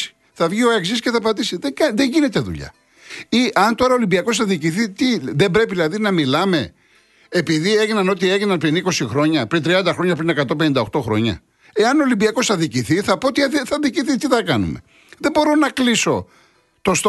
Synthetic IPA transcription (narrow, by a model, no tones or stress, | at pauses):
i̥ | θɐvʝio̞e̞ksisceθɐpɐt̪isiðekɐðe̞ɲʝine̞t̪eðṵʎɐ̰ | iʔɐnt̪o̞ɾɐo̞limbiɐko̞sθɐðiciθit̪iðe̞mbɾe̞piðilɐðinɐmilɐme̞̰ | epiðie̞ʝinɐno̞t̪ie̞ʝinɐnpɾiniko̞sixɾo̞ɲɐpɾint̪ɾiɐnd̪ɐxɾo̞ɲɐpɾine̞kɐt̪o̞pe̞nind̪ɐo̞xt̪o̞xɾo̞̰ɲɐ̰ | e̞ɐnolimbiɐko̞sθɐðiciθiθɐpo̞ot̪iiθɐðiciθit̪iθɐkɐnṵme̞̰ | ðe̞bo̞ɾo̞nɐkliso̞ | t̪o̞st̪